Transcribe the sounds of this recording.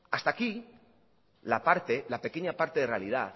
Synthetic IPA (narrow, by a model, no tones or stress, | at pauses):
ast̪aki | lapaɾt̪e̞lape̞ke̞ɲapaɾt̪e̞ðere̞a̰lið̞aθ